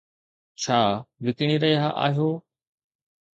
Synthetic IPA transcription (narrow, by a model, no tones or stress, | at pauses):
t͡ɕʰaːʋɪkɽ̃iːɾɐɦiɦaʔa̰ːɦijoː